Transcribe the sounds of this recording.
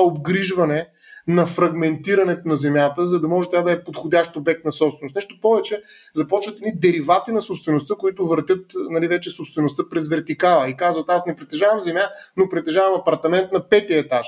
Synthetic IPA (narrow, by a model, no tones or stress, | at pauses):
ob̚ɡɾiʒvɐnɛ | nɐfɾɐɡmɛnt̪iɾɐnɛt̪ʊnɐzɛmjat̪əzɐd̪ɐmɔʒɛt̪ʲad̪ɐɛpot̪xʊd̪ʲaʃt̪obɛk̚t̪nɐsɔpst̪vɛnost̪nɛʃt̪opɔvɛt͡ʃɛzɐpɔt͡ʃvət̪ɛd̪nid̪ɛɾivat̪inɐsopst̪vɛnʊst̪əkoit̪ʊvəɾt̪ʲjɤt̪nɐlivɛt͡ʃɛsopst̪vɛnʊst̪əpɾɛzvɛɾt̪ikalˠɐikazvɐt̪asnɛpɾɛt̪ɛʒavɐmzɛmjanopɾɛt̪ɛʒavɐmɐpɐɾt̪ɐmɛnt̪nɐpɛt̪iɛt̪aʃ